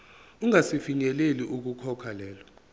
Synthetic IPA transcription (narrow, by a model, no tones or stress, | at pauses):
uŋasifiɲɛleliʔuk̬ukʰɔkʰalɛːlɔ